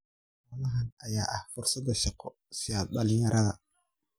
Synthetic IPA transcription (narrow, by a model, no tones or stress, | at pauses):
waːlɐɦanʔɐjaːʔɐhfʊrsɐd̪ɐʃɑqɔ | sɪjalɗɐlɪɲɐɾʔɐðɐ̰